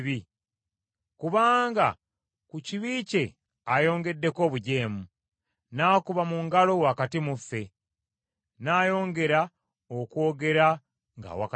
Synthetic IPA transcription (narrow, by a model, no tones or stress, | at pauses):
βi | kuβaːŋɡa | kuciβiːce̞ | ajo̞ːŋɡe̞dːe̞ko̞ːβuɟe̞ːmu | naːkuβamuŋɡalo̞wakatimufːe̞ | naːjo̞ːŋɡe̞ɾa | okwo̞ːɡe̞ɾa | ŋɡa̰wa̰k